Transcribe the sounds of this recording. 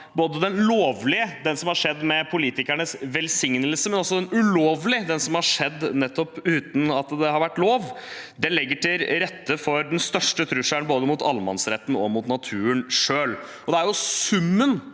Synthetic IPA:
boːd̪əd̪ɛnloːʋlɪəd̪ɛnsɔmhɑʂɛd̪ːmɛpʰʊliːt̪ɪkæɳəsʋɛlsɪŋnəlsəmɛnɔsːɔd̪ɛnʉloːʋlɪd̪ɛnsɔmhɑʂɛd̪ːnɛt̪ːɔpʉːt̪n̩ɑt̪d̪ɛhɑɾʋæʈːloːʋd̪ɛnlɛɡːəʈɪɾɛt̪ːəfɔɾd̪ɛnst̪œʂʈət̪ʰɾʉʂæɳboːd̪əmuːt̪ʰɑlmɑ̰nsɾɛt̪ːn̩ɔmʊt̪nɑt̪ʰʉːənʂøːl | ɔd̪ɛæɾjʊsʉmːən

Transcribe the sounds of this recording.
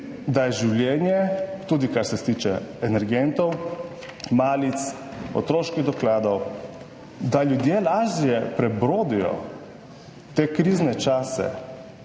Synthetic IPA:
d̪ajɛʒiwlʲjɛːnjɛt̪uːd̪ikaɾsɛst̪iːt͡ʃɛɛnɛɾɡɛnt̪ɔw | maːlit̪s | ɔ̰t̪ɾoːʃkiɣd̪ɔklaːd̪ɔw | d̪aljud̪jelaːʒijɛpɾɛbɾoːd̪ijɔ̰ | t̪eːkɾiːznɛt͡ʃaːsɛ̰

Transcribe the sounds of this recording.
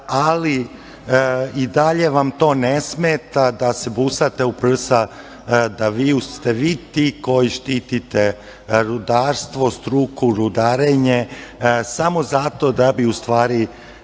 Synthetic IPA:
ali | id̪aʎe̞ʋamt̪o̞ːnesmeːt̪ad̪asebusat̪e̞upr̩sa | d̪aʋiust̪eʋiːt̪iːko̞jiʃt̪iːt̪it̪e | ɾud̪aːɾst̪ʋo̞st̪ɾukuɾud̪aːɾeɲesamo̞zat̪o̞d̪abiust̪ʋaːɾi

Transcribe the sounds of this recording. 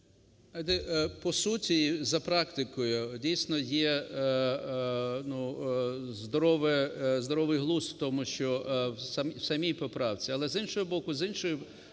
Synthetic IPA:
ɐd̪ɛʔpɔsutʲizɐpɾɑkt̪ɪkɔjʊdʲijsʲnɔjɛ | nu | zd̪ɔɾɔʋɛzd̪ɔɾɔʋɪjɦlˠuswt̪ɔmʊʃt͡ʃɔsɐmwsɐmʲijpɔpɾɑwt͡sʲiɐlˠɛzinʃɔɦɔbɔkʊzɪnʃɔjʊ

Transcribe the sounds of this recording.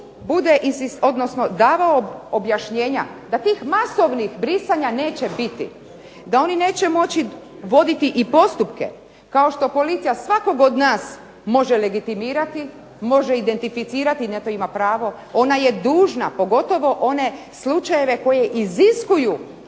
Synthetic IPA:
bud̪eʔinsiso̞d̪no̞sno̞d̪aːʋaoobjaʃɲe̞ːɲad̪at̪iːxmaso̞ʋnixbɾisaɲane̞ːt͡ɕe̞bit̪ḭ | d̪ao̞nine̞ːt͡ɕe̞mo̞t͡ɕi | ʋo̞d̪it̪iʔipo̞st̪upkḛ | kao̞ʃt̪o̞po̞lit̪sijasʋako̞ɡo̞d̪naːs | mo̞ʒe̞le̞ɡit̪imiːɾat̪i | mo̞ʒeid̪e̞nt̪ifit̪siːɾat̪inet̪oimapɾaːʋo̞ | o̞naje̞d̪uːʒnapo̞ɡo̞t̪o̞ʋo̞ʔone̞ | slut͡ʃaje̞ʋe̞ko̞je̞ʔiziskuju

